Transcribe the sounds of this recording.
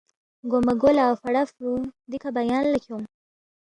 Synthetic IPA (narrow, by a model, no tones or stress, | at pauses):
ɡomaɡolaawfaɽafɾud̪ikabajɑnlakom